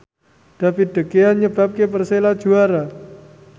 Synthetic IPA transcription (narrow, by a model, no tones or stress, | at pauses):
d̥a̤pid̥ə̤keanɲəb̥a̤p̚kepərselad̥ʒ̥uaɾa